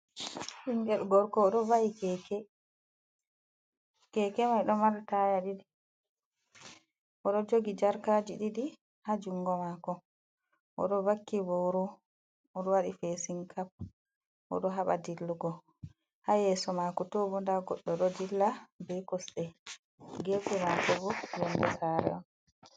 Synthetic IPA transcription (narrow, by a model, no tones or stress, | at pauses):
hiŋɡɛlɡɔɾkɔːɗɔvaʔikɛkɛ | kɛkɛmajɗɔmaɾtajaɗiɗi | ʔɔɗɔd͡ʒoɡid͡ʒaɾkad͡ʒiɗiɗi | had͡ʒuŋɡɔmakɔ | ʔɔ̰ɗɔvakːibɔɾɔ | ɔɗɔwaɗifɛsiŋkʰap̚ | ʔɔ̰ɗɔɦaɓa̰dilːuɡɔ | hajɛːsɔmakɔtɔbɔndaɡɔɗːɔɗɔdilːabɛkɔsɗɛ | ɡezɛmakɔbɔlɛnbɛsaɾɛ̰ɔn